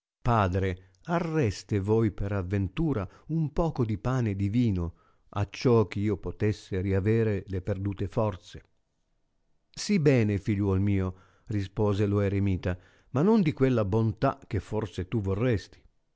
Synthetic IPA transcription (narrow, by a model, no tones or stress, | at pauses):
paːd̪ɾe | arːɛst̪evojpeɾavːent̪uːɾaumpɔːkod̪ipaːned̪iviːno | a̰t͡ʃːɔk̟eiːopot̪esːeɾiavɛːɾeleperd̪uːt̪efɔrt̪se | sibɛːnefiʎwɔlmiːo | rispɔːzeloeɾemiːt̪a | manːond̪ikwelːabont̪a̰k̟ːefɔrt̪set̪uvorːɛst̪i̥